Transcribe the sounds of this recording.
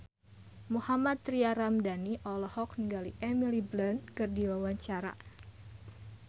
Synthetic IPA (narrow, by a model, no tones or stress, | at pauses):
muhamat̪̚ːɾiaɾamdaniʔɔlɔhɔkniŋɡaliʔɛmiliblənkɨrdiwawaɲt͡ʃaɾa̰